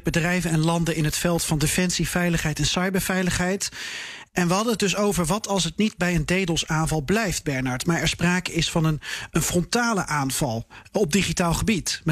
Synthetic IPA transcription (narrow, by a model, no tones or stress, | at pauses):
bədrɛjvənɛnlɑndəɪnɦətfɛlˠtfɑndəfɛnsifɛjləχɦɛjtɛnsɑjbəɹvɛjləχɦɛjtʔɛnʋəɦɑdənət̚dɵs̬owvəɹʋɑtɑlˠsət̚nid̚bɛjəndejdəlˠsaːnvɑlˠblɛjfd̚bɛɹnɑɹtmaːɹɛɹspraːkəɪsfɑnənənfrɔntaːləʔaːnv̥ɑlˠɔb̚diχitaːlˠχəbit